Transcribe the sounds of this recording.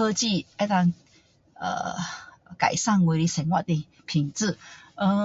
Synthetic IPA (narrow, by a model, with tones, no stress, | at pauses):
ɤ˧t͡ɕi˥˧˨a˧˦˥t̪a˧ŋ | ə̰˨˩ | ka̰˨˩jsa˥˨ŋwe˧˦ɾi˧sɛ˨˩ŋwa̰˧˨t̪e˧˩ | pʰi˨˩ŋt͡sɹ̩˥˧˨ə˧˩